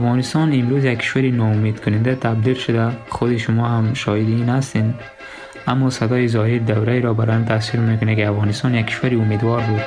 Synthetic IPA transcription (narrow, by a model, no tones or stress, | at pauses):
afɣɔnist̪ɔnimɾuzjakʰːi̥ʃʋaɾinɒumed̪kʊnind̪at̪ʰabd̪ilʃʊd̪aχʊd̪iʃʊmɔhamʃɔhid̪iinhast̪end̪ | amːɔsad̪ɔjizɔhiɾd̪awɾaeɾɔbaɾɔjamt̪ʰasiɾmekʊnekiafʁɔnist̪ɔnjakʰːi̥ʃvaɾiumed̪wɔɾbud̪